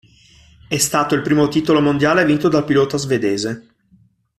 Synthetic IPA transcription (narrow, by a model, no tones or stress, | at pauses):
ɛst̪aːt̪oilpɾiːmot̪iːt̪olomond̪jaːlevint̪od̪alpilɔːt̪azved̪eːze